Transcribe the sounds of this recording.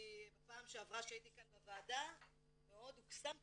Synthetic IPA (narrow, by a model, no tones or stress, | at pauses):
bapaːmʃeavʁaʃeait̪ikanbevaːda | meo̞d̪huksam